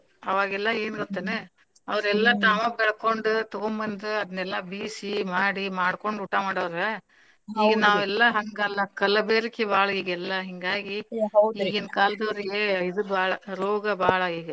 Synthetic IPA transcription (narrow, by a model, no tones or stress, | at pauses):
ɐʋaːɡɛlːɐe̞ːnuɡot̪ːɐne | ɐʋɐɾɛlːɐt̪aːmɐbɛɭɐkoɳɖut̪ɔɡombɐnd̪uɐd̪ɐnːɛlːɐbiːsimaːɽimaːɽko̞ɳɖuʈːamaːɽɐʋɾe | iːɡɐnaːʋɛlːɐɦɐŋɡɐlːɐkɐlɐbeːɾikːebaːɭɐiːɡɛlːɐɦiŋɡaːɡiwiːɡinkaːlɐd̪ɐʋɾiɡeid̪ubaːɭɐɾoːɡɐbaːɭɐiːɡɐ